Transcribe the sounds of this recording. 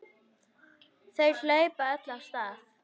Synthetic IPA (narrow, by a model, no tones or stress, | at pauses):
θejl̥eːjpaœt̪lḁst̪aːθ